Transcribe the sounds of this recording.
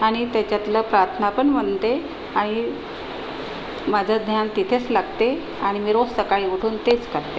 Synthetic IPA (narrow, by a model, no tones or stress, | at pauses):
aɽ̃it̪jat͡ɕjat̪lapɾaɾt̪ʰənapəɳməɳt̪e | aɽ̃i | mad͡ʑʱad̪ʱnjant̪it̪ʰet͡slaɡt̪e | aɽ̃imiːɾossəkaɭiːʋəʈʰuːnt̪et͡skəɾt̪e